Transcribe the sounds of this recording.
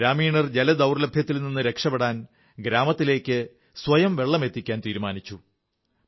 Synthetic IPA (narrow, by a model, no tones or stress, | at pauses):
ɾaːmiːɳɐrd͡ʑe̞lɐd̪ɐwrlɐbʱjɐt̪ːilninːɨɾe̞kʂɐpːeɽaːn | ɡɾaːmɐt̪ːile̞ːkʲːɨ | sʋɐjɐmʋe̞ɭːɐme̞t̪ːikʲːaːnt̪iːɾumaːnit͡ɕːu